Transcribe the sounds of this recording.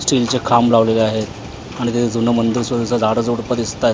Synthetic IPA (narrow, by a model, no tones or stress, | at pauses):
sʈɾilt͡sekʰamlaʋleleaɦet̪ | aɽ̃it̪et̪ʰed͡zunəmənd̪iɾsʋəd̪isad͡zaɽəd͡zoɽpəd̪ist̪aj